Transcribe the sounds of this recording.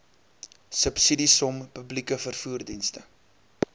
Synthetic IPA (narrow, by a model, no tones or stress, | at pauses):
səpsidisɔmpəblikəfərfuːrdinstə